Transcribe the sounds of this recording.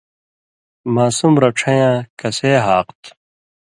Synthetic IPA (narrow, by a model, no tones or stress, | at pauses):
maːsumɾɐʈ͡ʂʰɐ̃jãːkɐseːɦaːqt̪